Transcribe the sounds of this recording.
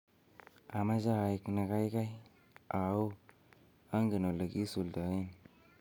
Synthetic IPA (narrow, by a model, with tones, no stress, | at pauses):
a˨ma˦d͡ʒa˦a˨i˨kna˨ka˦jka˦j | a˨u˦ | a˦ŋɡi˨no˨la˨ki˦su˨lda˨˦i˦n